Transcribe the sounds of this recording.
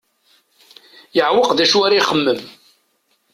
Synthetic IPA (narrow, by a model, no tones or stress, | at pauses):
jəʕwəqðæʃuaɾaiχəmːəm